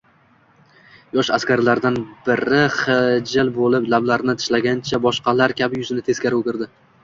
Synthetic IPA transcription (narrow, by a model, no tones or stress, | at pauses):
jɒʃaskʲaɾlaɾd̪anbɪɾɪχɪd͡ʒɪlbolɪplablaɾnɪt̪ʰɪ̥ʃlaɡʲant͡ʃʰabɒʃqɑlaɾkʲʰabɪjʊzɪnɪt̪ʰe̞z̥kʲaɾokʲɪɾd̪ɪ